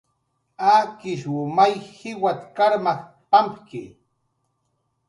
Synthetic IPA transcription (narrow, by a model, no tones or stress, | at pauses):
aːkɪʃwʊmajhɪwat̪kaɾmax | pampkɪ